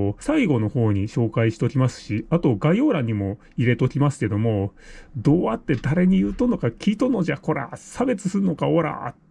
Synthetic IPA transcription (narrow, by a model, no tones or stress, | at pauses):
saiɡo̞no̞ho̞ːɲ̟iɕo̞ːkaiɕi̥t̪o̞kʲimasɨ̥ɕiat̪o̞ɡaio̞ːɾaɲ̟imo̞ | iɾe̞t̪o̞kʲimasɨ̥ke̞d̪o̞mo̞d̪o̞ːat̪ːe̞d̪aɾe̞ɲ̟ijɯ̟ːt̪onːo̞kakʲiːt̪ono̞ʑako̞ɾa̰sabe̞t͡sɨ̥sɨɾɯno̞kaoɾa̰ːt̪